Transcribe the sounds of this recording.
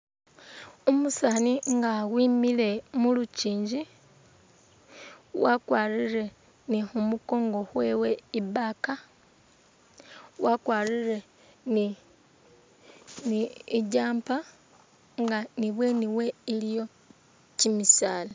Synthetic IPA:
omusaniŋɡaɣwiːmile̞muluciːɲɟi | wakwaːriɾe̞ | nixumuko̞ːŋɡo̞hweːwe̞ibaka | wakwaːliɾe̞ | ni | niiɟaːmpa | ŋɡaniβwe̞niwe̞ilijo̞ | cimisaːla

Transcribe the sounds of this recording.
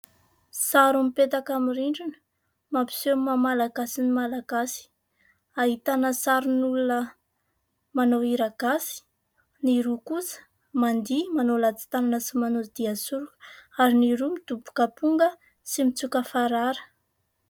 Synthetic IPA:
saɾumipet̪akamiɾiɳɖ͡ʐinə̥ | mapi̥semamalaɡasinimalaɡasi̥ | aɦit̪anəsaɾunulunə | manowiɾaɡ̥asi̥ | niɾukusə̥ | mand̪imanolat͡si̥t̪ananəsimanod̪̥iasuɾukaɾiniɾumid̪ubu̥kəpuŋɡə | simit͡sukəfaɾaɾə̥

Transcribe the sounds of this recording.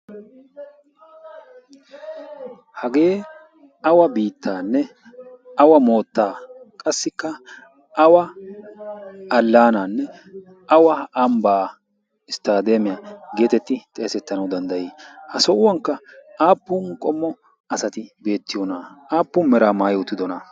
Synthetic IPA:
hɐɡe̞ː | ɐwɐbiːt̪ʰːaːnːɛ | ɐwɐmo̞ːt̪ːaːkʼɐsːɪkːɐ | ʔɐwɐ | ɐlːaːnanːɛ | ɐwɐɐmbaː | ɪst̪aːd̪emɪjaɡe̞ːt̪ɛt̪ːɪt̪ʼe̞ːsɛt̪ːɐnɐwd̪ɐnd̪ɐjiːhɐsɔʔʊwɐŋkːɐaːpːʊnkʼɔmːɔ | ɐsɐt̪ɪbe̞ːt̪ːɪjɔnaaːpːʊnmɛɾaːmaːjɪʊt̪ːɪd̪ɔnɐ

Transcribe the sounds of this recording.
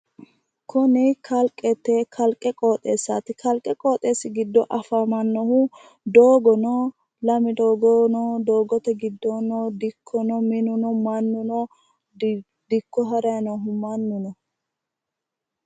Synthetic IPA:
kʊnɪkʰɐlkʼːɛt̪ːɛkʰɐlkʼːɛkʼoːt̪ʼe̞ːsːa̰ːt̪ɪkɐlkʼːɛkʼoːt̪ʼe̞ːsɪɡɪd̪ːɔʔɐfɐmɐnːɔhʊ | d̪oːɡɔnɔ | lɐmɪd̪oːɡɔnɔd̪oːɡɔt̪ɛɡɪd̪ːɔnd̪ɪkʰːɔnɔmɪnʊnɔmɐnːʊnɔ | d̪̥ɪkːɔɦɐɾɐjɐnɔɦʊmɐnːʊnɔ

